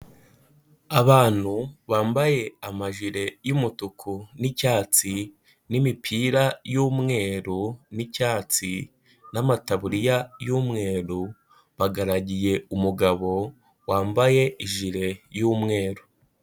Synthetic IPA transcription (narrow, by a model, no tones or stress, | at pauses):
aβaːn̥huβaːmbaje̞amaʒiɾe̞jumutukʰunicaːt͡si | nimipʰiːɾajuːmŋe̞ːɾunicaːt͡si | namataβuɾijajuːmŋe̞ːɾu | βaɡaɾaɟije̞umuɡaβo̞ | waːmbaje̞iʒiɾe̞juːmŋe̞ːɾu